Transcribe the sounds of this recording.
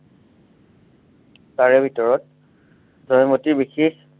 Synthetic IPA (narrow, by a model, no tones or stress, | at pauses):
taɹɛbʱitɔɹɔt̚ | dʱɔjmotiɹbixix